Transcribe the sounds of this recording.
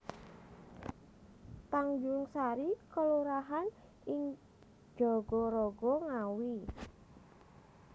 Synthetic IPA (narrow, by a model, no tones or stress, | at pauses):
t̪aŋd͡ʒʊŋsaɾikəluɾaɦan | ɪŋ | d̥ʒ̥ɔɡ̥ɔɾɔɡɔŋawi